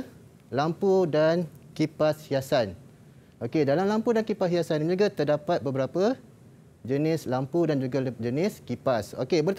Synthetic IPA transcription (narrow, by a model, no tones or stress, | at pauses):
lampudankipashiasan | okedalamlampudankipashiasanand͡ʒuɡat̪ərdapat̪̚bəbəɾapə | d͡ʒənɪslampudand͡ʒuɡad͡ʒənɪskipaso̰kebərt̪